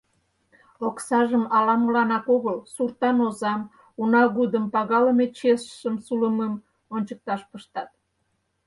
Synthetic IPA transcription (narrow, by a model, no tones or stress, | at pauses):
oksɑʒəmɑlɑməlɑnɑkoɣəlsurt̪ɑnozɑm | unɑɣud̪əmpɑɣɑləmet͡ɕesʃəmsuləməm | onʲt͡ɕək̚t̪ɑʃpəʃt̪ɑt̪̚